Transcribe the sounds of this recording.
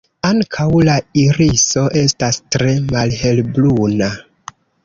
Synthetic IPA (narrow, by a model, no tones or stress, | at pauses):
aŋkʰawlaiɾiso̞ʔe̞stastɾe̞malhe̞lbluna